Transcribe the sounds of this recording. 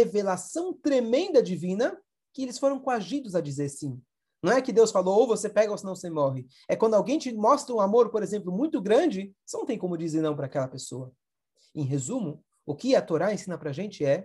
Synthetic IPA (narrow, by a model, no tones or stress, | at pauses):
hevelasɐ̃w̃t̪ɾemẽnd̪ɐd͡ʒivĩnɐ | kɪelɪsfoɾɐ̃w̃koaʒid̪ʊzad͡ʒizeɾsĩ | nɐ̃w̃ɛkɪd̪ewsfalowowvosepɛɡɐosɪnɐ̃w̃semɔɦɪ | ɛkwɐ̃d̪ʊawɡẽj̃t͡ʃɪmɔst̪ɾɐũamoɾpoɾezẽmplʊmũj̃t̪ʊɡɾɐ̃nd͡ʒɪsenɐ̃w̃t̪ẽj̃kõmʊd͡ʒizeɾnɐ̃w̃pɾakɛlɐpesoɐ | ẽɦezũmʊ | ʊkɪɐt̪oɾaẽsĩnɐpɾɐʒẽnt͡ʃɪɛ